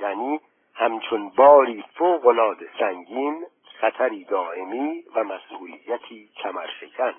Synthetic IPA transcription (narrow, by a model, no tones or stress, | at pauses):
jæːniː | hæmt͡ʃʰonbɒːɾiːfoːɣolɒːd̪esæŋɟiːn | χæt̪ʰæɾiːd̪ɒːʔe̞miːvæmæsʔuːlijæt̪ʰiːcʰæmæɾʃecʰæn